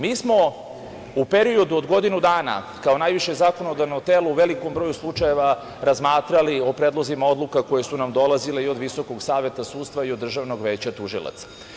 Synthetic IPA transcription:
miːsmo̞ | upeɾio̞d̪uod̪ɡo̞d̪inud̪aːna̰ | kaonajʋiʃezako̞nod̪avno̞t̪eːlouʋelikombɾo̞juslˠut͡ʂaje̞ʋa | ɾazmaːt̪ɾaliopɾeːd̪lˠozimao̞d̪lukako̞je̞sunamd̪o̞lazileio̞d̪ʋiso̞koɡsaːʋe̞t̪asuːt̪st̪ʋaiod̪ːr̩ʒaʋno̞ɡʋeːt͡ɕat̪uʒḭlˠa̰t̪sḁ

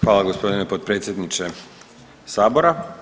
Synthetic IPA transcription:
xʋaːlˠaɡo̞spo̞d̪inepot̪̚pɾet̪sje̞d̪nit͡ʃe | saːbo̞ɾa

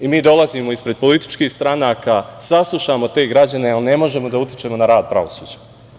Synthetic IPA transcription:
imiːd̪o̞lˠaziːmoispɾe̞d̪̚po̞lit̪i̥t͡ʃkiːxst̪ɾanaːkaːsaslˠuʃamo̞t̪e̞ːɡɾad͡ʑane̞alne̞mo̞ʒe̞mo̞d̪aut̪jt͡ʃe̞ːmo̞naɾaːd̪̚pɾa̰ʋo̞sṵːd͡ʑḁ

